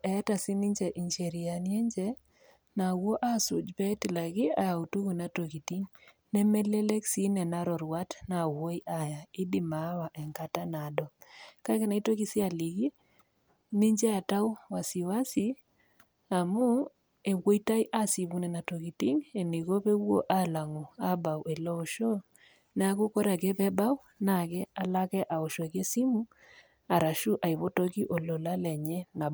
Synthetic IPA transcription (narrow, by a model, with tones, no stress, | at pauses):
ɛ˨˦ta˨si˦ni˦ɲd͡ʒɛ˨ʔi˨ɲt͡ʃe˨ɾi˨a˨nje˦ɲd͡ʒɛ˦ | na˨wo˦ʔa˦su˨d͡ʒpɛ˦ti˨la˨ɡi˦a˨ja˨u˨tu˦ku˨na˨to˨ki˨ti˦ŋ | nɛ˦mɛ˦le˦le˦ksi˦nɛ˨na˦ɾɔ˨ɾwa˦tna˨wo˦i˦ʔa˨ja˨ɪ˦di˦ma˨˦wa˨ʔɛ˨ŋka˨ta˦na˨dɔ˨ka˦kɛ˦na˨i˦to˦ki˦sɪ˦a˨li˨ɡi˦ | ni˦ɲd͡ʒɛ˦a˨ta˦wwa˨si˨wa˦si˦ | a˨mu˦ | e˨ɣwo˦i˦ta˦i˦ʔa˦si˨βu˦nɛ˨na˨to˨ki˨ti˦ŋe˨ni˨ɣo˦βe˦wo̰˦ʔa˦la˨ŋo˨a˦ba˨wɛ˨lɔ˦˨ʃo˦ | n˦a˦ku˦kɔ˦ɾa˨kɛ˦βɛ˦ba˦w | na˨kɛ˦a˨la˦kɛ˦ʔa˨o˨ʃo˨ke˦si˦mu˦ | a˨ɾa˨ʃu˦ʔa˨i˨βo˦to˦ki˦ʔo˨lɔ˨la˦lɛ˨ɲɛ˦na˨